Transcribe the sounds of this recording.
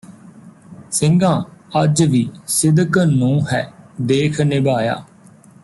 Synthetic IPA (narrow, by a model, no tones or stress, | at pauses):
sɪ̃ŋɡãːəd͡ʒʋiːsɪd̪əknũːɦɛːd̪eːkʰnɪbaːja̰ː